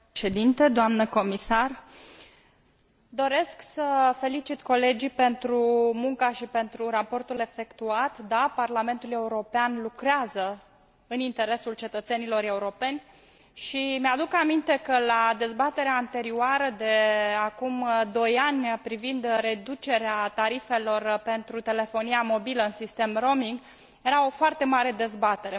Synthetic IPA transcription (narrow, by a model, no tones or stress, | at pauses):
ʃed̪int̪ed̪oamnəko̞misar | d̪o̞ɾe̞sksəfe̞lit͡ʃit̪ko̞le̞d͡ʒipe̞nt̪ɾumuŋkaʃipe̞nt̪ɾuɾapo̞rt̪ule̞fe̞kt̪uat̪d̪aparlame̞nt̪ule̞uɾo̞peanlukɾeazə | ɨnint̪e̞ɾe̞sult͡ʃe̞t̪ət̪se̞nilo̞ɾe̞uɾo̞pe̞nʲ | ʃimead̪ukamint̪e̞kəlad̪e̞zbat̪e̞ɾeaːnt̪e̞ɾioaɾəd̪e̞akumd̪o̞janʲpɾivind̪ɾe̞d̪ut͡ʃe̞ɾeat̪aɾife̞lo̞rpe̞nt̪ɾut̪e̞le̞fo̞nijamo̞biləɨnsist̪e̞mro̞miŋɡ | je̞ɾao̞foart̪e̞maɾe̞d̪e̞zbat̪e̞ɾe